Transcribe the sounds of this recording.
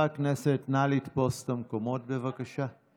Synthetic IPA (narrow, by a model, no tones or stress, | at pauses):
akneset̪nalit̪post̪amkomot̪̚bevakaʃa